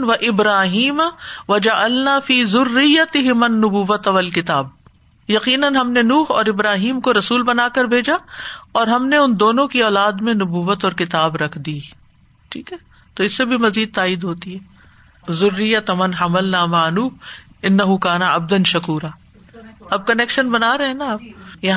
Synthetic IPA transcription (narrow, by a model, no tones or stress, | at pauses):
ʋɐʔɪbɾaːɦiːmʋɐd͡ʒɐʕɐlnaːfiːzʊrːɪjːɐt̪ɪɦɪmɐnːʊbuʋːɐt̪aʋɐlkɪt̪aːb̚ | jɐqiːnɐnɦɐmnenuːɦɔ̰ːɾɪbɾaːɦiːmkoɾɐsuːlbɐnaːkɐɾbʱeːd͡ʒaɔːɾɦɐmneʊnd̪oːnõkiɔːlaːd̪mẽnʊbuːʋːət̪ɔːɾkɪt̪aːbɾɐkʰd̪iː | ʈʰiːkɦɛː | t̪oɪsːebʱimɐziːd̪̚t̪aːɪd̪ɦoːt̪iɦɛː | zʊrːɪjːɐt̪mɐnɦɐmɐlnaːmaʕnuːh | ɪnːɐɦukaːnɐɐ̰b̚d̪ɐnʃɐkuːɾaː | ɐb̚kɐnɛːkʃənbɐnaːɾɐɦɛ̃naːb̚jɐɦ